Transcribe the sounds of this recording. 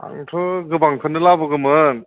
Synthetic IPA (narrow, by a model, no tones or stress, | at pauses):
a̰ŋtʰɯɡɯbaŋkʰɯnɯlabɯɡɯmɯn